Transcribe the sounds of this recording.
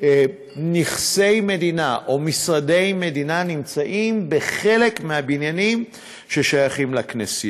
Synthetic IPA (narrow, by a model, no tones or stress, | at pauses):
niχse̞jme̞d̪inaʔo̞misʁade̞jme̞d̪inanimt͡saʔimbeχe̞lekmeabinjanim | ʃe̞ʃajaχimlaknesi